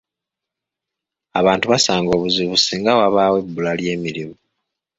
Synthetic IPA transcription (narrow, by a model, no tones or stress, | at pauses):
aβaːntuβasaːŋɡo̞ːβuziβusiːŋɡawaβaːwe̞bːulalje̞ːmiɾimu